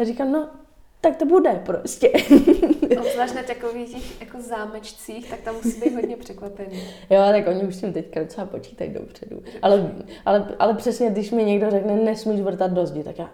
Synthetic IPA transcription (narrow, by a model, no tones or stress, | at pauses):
jarikamno | t̪ak̚t̪obudɛpɾoscɛ | ozlaːʃnat̪akoviːxcɛxjakozaːmɛt͡ʃt͡siːxt̪ak̚t̪amːusiːbejjt̪ɦodɲɛpr̝̥ɛkʋapɛni | joːat̪akʔo̞ɲɪuʃscimt̪ɛckadot͡sɛhapo̞t͡ʃi̥ːt̪a̰jdo̞̰pr̝̥ɛdṵʔalɛʔalɛʔa̰lɛpr̝̥ɛsɲɛdɪʃmɪɲɛɡdo̞rɛknɛnɛsmiːʒvɾ̩t̪ad̪̚do̞zɟɪt̪akjaː